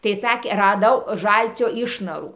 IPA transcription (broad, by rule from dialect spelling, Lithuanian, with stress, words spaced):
tɐɪ ˈsɑːkʲeː rɐˈdɐʊ ˈʒɐlʲt͡sʲoː ˈɪʃnɐruː